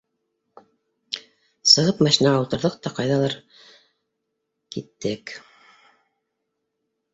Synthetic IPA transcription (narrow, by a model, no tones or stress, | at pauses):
sɤ̆ʁɤpmæʃinæʁaut̪ɤ̆ɾðɤq̚t̪ɑqɑjðɑlˠɑɾ | kit̪ːɘk